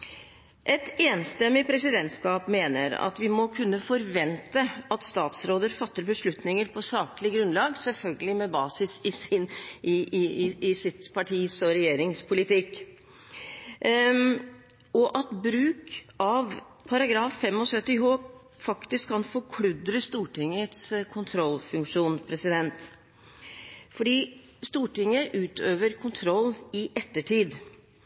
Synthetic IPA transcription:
ʔɛt̪eːnst̪ɛmːɪpʰɾɛsɪd̪ɛnt̪skɑːpmeːnə̰ɾɑ̰t̪ʋɪmɔkʰʉnːəfɔɾʋɛnt̪əɑt̪st̪ɑːt̪sɾoːd̪əɾfɑt̪ːəɾbəʂɭʉt̪nɪŋəɾpʰɔsɑːklɪɡɾʉnlɑːɡsɛlfœlɡəlɪmɛbɑːsɪsɪsɪn | ɪsɪt̪pʰɑʈʰiːsɔɾɛjeːɾɪŋspʰʊlɪt̪ɪkː | ɔʔɑt̪bɾʉːkʔɑʋ | pʰɑɾɑɡɾɑːfːɛmɔsœt̪ːɪɦoː | fɑkt̪ɪskʰːɑnfɔɾkʰlʉd̪ɾəst̪uːʈʰɪŋːət̪skʰʊnt̪ʰɾɔlfʉŋkʂuːnpʰɾɛsɪd̪ɛnt̪ | fɔɖiː | st̪uːʈɪŋːəʔʉːt̪ʰøːʋəɾkʰʊnt̪ʰɾɔlːɪʔɛt̪ːəʈʰiːd̪

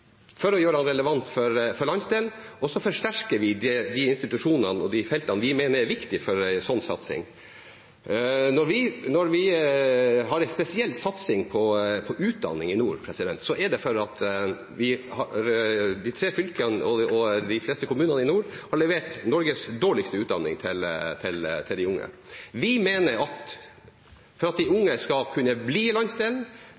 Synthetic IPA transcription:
fɔɾɔjøːɾəɑnɾɛləʋɑnt̪fɔɾfɔɭɑnsd̪eːlɔsɔfɔʂʈ̪æɾkəɾʋɪd̪ɛd̪ɪɪnst̪ɪt̪ʉʂuːnənɔd̪ɪfɛlt̪ɑnʋɪmeːnəɾɛɾʋɪkt̪ɪfɔɾæɪsɔnːsɑ̰t̪sɪ̰ŋ | nɔɾʋɪnɔɾʋɪ | ɦɑɾɛspɛsɪɛlt̪sɑt̪sɪŋpʰɔpʰɔʔʉːt̪̚d̪ɑ̰nːɪŋɪnuːɾpʰɾɛsɪd̪ɛ̰nt̪sɔʔɛɖ̪ɛfɔɾɑt̪ | ʋɪhɑɾd̪ɪt̪ʰɾeːfʏlkənɔɔd̪ɪfleːst̪əkʊmʉːnənəɪnuːɾhɑɭɛʋeːʈnɔɾɡəsd̪oːɭɪkst̪əʉːt̪d̪ɑ̰nːɪ̰ŋt̪ʰɪlt̪ʰɪlt̪ʰɪld̪ɪʊŋːə̰ʋɪmeːnəɾɑt̪ | fɔɾɑt̪̚d̪ɪʊŋːəskɑlkʰʉnːəbliːlɑnst̪ɪln̩

